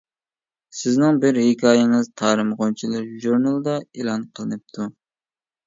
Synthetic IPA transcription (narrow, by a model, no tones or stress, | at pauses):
sɪznɪŋbɪɾhɪkʲʰɑːjɪŋɨzt̪ʰɑːɾɨmʁont͡ʃʰilˠɨɾʒuɾnɑlˠɨd̪ɑelˠɑnqʰəlˠɨnɨp̚t̪ʰu